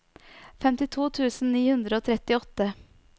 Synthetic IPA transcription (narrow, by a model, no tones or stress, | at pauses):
fɛmt̪ɪt̪ʰuːt̪ʰʉːsn̩niːhʉnd̪ɾəoːt̪ʰɾɛt̪ɪɔt̪ːə